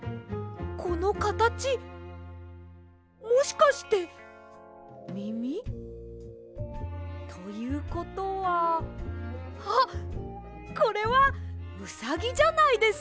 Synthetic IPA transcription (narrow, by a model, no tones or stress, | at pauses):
ko̞no̞kat̪at͡ɕi | mo̞ɕi̥kaɕi̥t̪e̞ | mʲimʲi | t̪ʰo̞jɯ̟ːko̞t̪o̞βa | ha | ko̞ɾe̞βamɯ̟saɡʲid͡ʑanaid̪e̞s